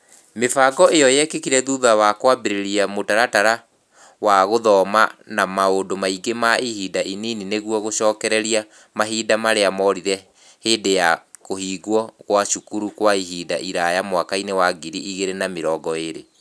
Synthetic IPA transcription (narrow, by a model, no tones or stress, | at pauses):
mefaɡɔejɔjɛkekiɾɛðuðawakwabeɾeɾiamotaɾataɾa | waɣoðɔmanamaondomaiɡemaihiːdaʔininineɣwɔɣoʃɔːkɛɾɛɾia | maɦiːdamaɾeamɔɾiɾɛ | heːdejakohiːɡwɔɣwaʃukuɾukwaiɦiːdaʔiɾajamwakainewaɡiɾiiɣeɾenameɾɔɡɔeɾḛ